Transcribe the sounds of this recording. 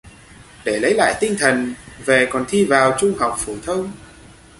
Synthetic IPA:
ɗe˧˩lə˨˦jla̰ː˧˨jt̪ï˧ŋ̟t̪ʰə˨˩nve˨˩kɔ˨˩nt̪ʰi˧vaː˨˩wt͡ɕʊ˧ŋ͡mɦa˨˩wk͡p̚fo˧˩t̪ʰə˧wŋ͡m

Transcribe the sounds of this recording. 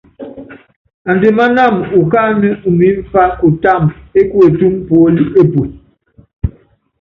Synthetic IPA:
a˨n˨de˨ma˦na˦˨mu˨ka˦nə˦u˨mi˦ɱ̩˦fa˦ku˨ta˦˨me˦ku˦e˨tu˦mpo˨˦li˦e˦pu˨t

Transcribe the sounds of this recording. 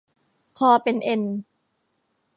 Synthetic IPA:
kʰɔː˧pe˧nʔe˧n

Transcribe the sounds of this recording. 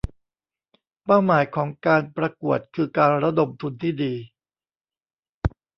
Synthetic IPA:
pa˥˩wmaː˩˦jkʰɔː˩˦ŋkaː˧npɾa˧ku˨˩ət̪̚kʰɯː˧kaː˧nɾa˦˥do˧mt̪ʰu˧nt̪ʰiː˥˩diː˧

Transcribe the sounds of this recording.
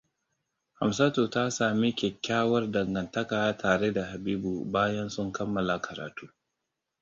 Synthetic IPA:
ha˨msa˦toː˨ta˦saː˨mi˦kʲɛ˨kʲːaː˦wɐ˦rdɐ˨ŋɡɐ˨ntɐ˦kaː˨ja˦tʰaː˨ɾe˦da˨ha˨biː˦bu˨baː˦jɐ˦nsʊ˦ŋkɐ˦mːɐ˨la˨kɐ˨ɾa̰ː˨tuː˦

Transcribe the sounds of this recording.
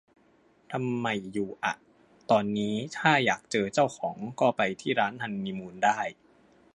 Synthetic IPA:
t̪ʰa˧mːa˧˩jːuː˨˩ʔa̰˨˩ʔ | t̪ɔː˧nːiː˦˥t̪ʰaː˥˩jaː˨˩k̚t͡ɕɤː˧t͡ɕa˥˩wxʰɔː˩˦ŋkɔː˥˩pa˧jt̪ʰiː˥˩ɾaː˦˥nt̪ʰa˧nmiː˧muː˧ndaː˥˩j

